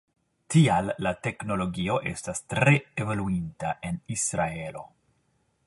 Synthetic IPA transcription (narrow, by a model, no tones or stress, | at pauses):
tialːate̞kno̞lo̞ɡio̞ʔe̞̰stastɾe̞evo̞luintaʔe̞nisɾae̞lo̞̰